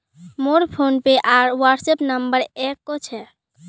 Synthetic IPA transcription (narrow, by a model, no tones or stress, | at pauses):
moɾpʰonpeʔaɾwəɾɖsepnəmbəɾekːɔt͡ʃʰɛ